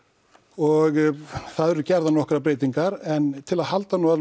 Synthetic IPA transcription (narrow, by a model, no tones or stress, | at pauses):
ɔɣθaðɛɾʏcɛɾðanɔhkɾapɾeːjt̪iŋkaɾɛnt̪ʰɪlaðhalt̪anua